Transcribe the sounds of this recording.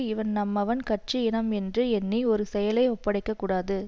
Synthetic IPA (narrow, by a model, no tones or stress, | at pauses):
ɪʋɐnnɐmːɐʋɐnkɐʈʈ̚t͡ʃiɪɳɐmɛndrɯɛnːiɔɾɯsɛjɐlɐɪɔpːɐɽɐɪkːɐkːuːɽaːðɯ